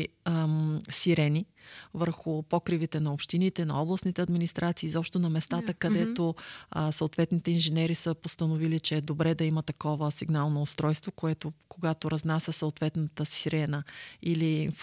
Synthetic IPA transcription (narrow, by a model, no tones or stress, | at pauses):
siɾɛni | vəɾxʊpɔkɾivit̪ɛnɐopʃt̪init̪ɛnɐ̰ɔblˠəsnit̪ɛɐd̪minist̪ɾʔat̪siːzɔpʃt̪onɐmɛst̪at̪əkɐd̪ɛt̪osoot̪vɛt̪nit̪ɛinʒɛnɛɾisəpost̪ɐnovilit͡ʃɛːd̪obɾɛd̪ɐimət̪ɐkɔvəsiɡnalˠnoːst̪ɾɔjst̪vokoɛt̪okoɡat̪oɾɐznasʲɐsoot̪vɛt̪nət̪əsiɾɛnəilinf